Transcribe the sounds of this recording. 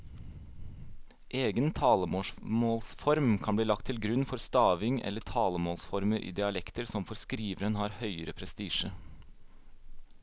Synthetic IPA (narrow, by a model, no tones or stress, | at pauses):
ʔeːɡənt̪ʰɑːləmoːmoːlsfɔɾmkʰɑnbliːlɑk̚t̪ʰɪlɡɾʉnfɔɾst̪ɑːʋɪŋʔɛ̰ləʈʰɑːləmoːlsfɔɾməɾʔḭːd̪ɪɑlɛkt̪əɾsɔmfɔɾskɾiːʋəɾənhɑːɾhœʏəɾəpʰɾɛst̪iːʃə